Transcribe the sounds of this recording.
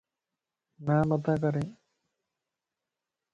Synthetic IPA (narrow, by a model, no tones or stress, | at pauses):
naːmat̪akaɾeŋ